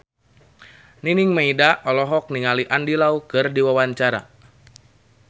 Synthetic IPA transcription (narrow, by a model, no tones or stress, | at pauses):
niniŋmaidaʔɔlɔɦɔk̚niŋaliʔandilaukɨrdiwawaɲt͡ʃaɾa̰